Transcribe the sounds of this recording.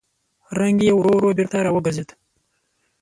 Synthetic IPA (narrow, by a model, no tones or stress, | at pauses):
ɾaŋɡijewɾoɾobiɾt̪aɾaːwəɡazed̪